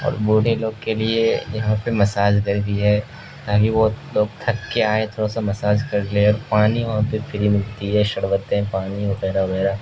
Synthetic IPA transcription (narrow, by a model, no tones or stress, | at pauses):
ɔ̰ːɾbuːɽ̤eloːɡkeliejɐɦãpemɐsaːd͡ʒkɐɾt̪iɦɛː | t̪aːkiʋoloːɡ̚t̪ʰɐkːeaːet̪ʰoːɽasamɐsaːd͡ʒkɐɾleɔːɾpaːniʋɐɦãpefʰɪɾimɪlt̪iɦɛːʃɐɽʋət̪eɦɛ̃paːniʋɐɡɛːɾaʋɐɣɛːɾa